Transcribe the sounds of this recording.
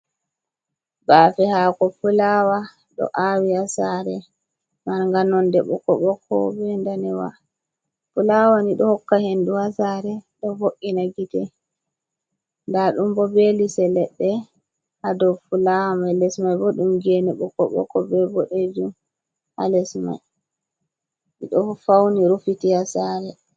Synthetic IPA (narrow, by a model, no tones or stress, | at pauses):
baːfɛhakɔfulawa | ɗɔ̰ʔawiasaɾɛ | maɾŋɡanɔndɛɓɔkɔɓɔkʰːɔ̰bɛndanɛwa̰ | fulawaniɗɔhɔkːahenduhasaɾɛɗɔvoʔinaɡitɛ | ndaɗumbɔbelisɛlɛɗːɛ | hadɔwfulawamajlɛsmajbɔɗumɡenɛɓɔkːɔ̰ɓɔ̰kːɔbɛbɔɗed͡ʒum | ha̰lɛsma̰j | ḭɗɔfawniɾufitihasaɾɛ